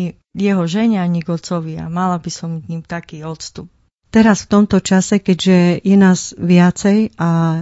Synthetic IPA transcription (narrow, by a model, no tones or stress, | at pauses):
jɛɦɔʒɛɲaɲiɡɔt͡sɔʋɪa̰malabisɔmɲimt̪akiːɔt̪st̪up̚ | t̪ɛɾasft̪ɔmt̪ɔt͡ʃasɛkɛɟʒɛjɛnaːzʋɪat͡sɛja